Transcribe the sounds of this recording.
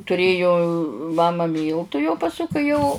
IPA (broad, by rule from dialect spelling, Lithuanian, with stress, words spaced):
tʊˈrʲeːjʊ ˈmɑːmɐ ˈmʲiːlˠtʊ jɛʊ pɐˈsʊ kɐɪ ˈjɛʊ